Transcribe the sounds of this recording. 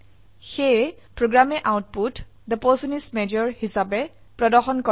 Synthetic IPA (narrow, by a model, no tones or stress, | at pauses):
xej | pɹoɡɹamɛʔawt̚put | d̪əpɔsunismed͡ʒɔɹhisabɛ | pɹɔdɔxɔnkɔ